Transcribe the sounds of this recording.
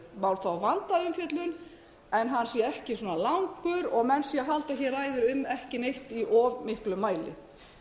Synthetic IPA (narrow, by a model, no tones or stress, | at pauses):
mawlθawvant̪aʏmfjœt̪lʏn | ɛnɦanːsiɛhcɪsɔːnalawŋkʏɾɔɣmɛnsiaɦalt̪açɛraːjðʏɾʏmːɛhcɪnejht̪iʔɔvmɪhklʏmːaːjlɪ̰